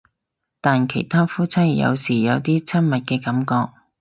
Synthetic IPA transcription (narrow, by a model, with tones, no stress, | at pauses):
t̪aː˨nkʰe˨˩jt̪ʰaː˥fuː˥t͡sʰɐ˥jjɐ̰˨˧wsiː˨˩jɐ˨˧wt̪iː˥t͡sʰɐ˥n̚mɐ˨t̚kɛː˧kɐ˨˥mkɔː˧k̚